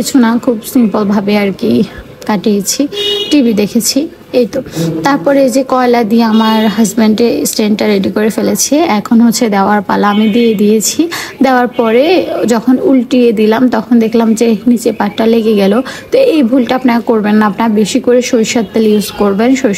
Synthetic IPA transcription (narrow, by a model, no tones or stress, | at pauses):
it͡ɕʰunakʰubsimpolbʱabeaɾki | kaʈejt͡ɕʰiʈibid̪ekʰet͡ɕʰi | ejt̪ot̪aɾpɔɾeed͡ʑekɔelad̪ieamaɾɦɐzbeɳɖesʈeɳʈʈaɾeɖikoɾefelet͡ɕʰeɛkʰonɦoːed̪eoaɾpalaamid̪ied̪ijet͡ɕʰid̪eoaɾpɔɾed͡ʑɔkʰonulʈied̪ilamt̪ɔkʰond̪ekʰlamd͡ʑenit͡ɕepaʈːaleɡeɡɛlot̪oejbʱulʈaapnaɾakoɾbenːaapnabeʃikoɾeʃojʃat̪ːeluzkoɾbenʃojʃ